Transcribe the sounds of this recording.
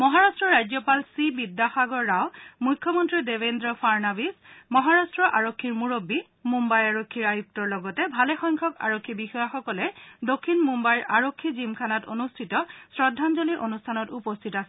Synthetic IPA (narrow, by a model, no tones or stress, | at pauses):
mɔɦaɹastɹɔɹajzɔpalsibidːaxaɡɔɹːawmujkʰːɔmɔntɹidebendɹɔpʰaɹnabismɔɦaɹastɹɔʔaɹokʰːiɹmuɹobːi | mumbajaɹokʰːiɹajup̚tɔɹlɔɡɔtɛbʱalɛxɔjŋkʰɔka̰ɹokʰːibixɔjaxɔkɔlɛdokʰːinmumbajɹʔaɹokʰːizimkʰanatonustʰitɔsɹɔdʱːanzoliʔonustʰanɔtupɔstʰitasɛ